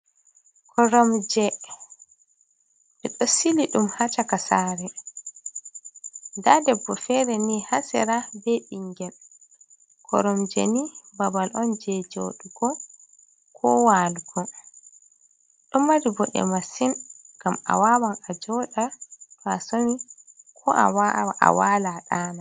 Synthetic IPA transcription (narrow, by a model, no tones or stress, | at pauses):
kʰɔɾɔmd͡ʒɛ | ʔɛɗɔsiliɗumhat͡ʃakasaɾɛ | ndadɛbːɔfɛɾɛnihasɛ̰ɾabɛɗiŋɡɛl | kʰɔ̰ɾɔmd͡ʒɛ̰nibabalʔɔnd͡ʒɛd͡ʒo̰ɗuɡɔ | kʰɔwaːluɡɔ | ɗɔmːaɾibɔɗɛ̰masinɡ̥ama̰wawanad͡ʒɔɗafasoni | kʰɔʔa̰wa̰walaɗaːna